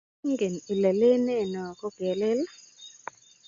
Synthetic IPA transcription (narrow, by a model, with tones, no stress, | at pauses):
ŋɡe˨ni˨le˨le˦ne˦˨nɔ˨ko˦ɡ̥e˨lɪ˦l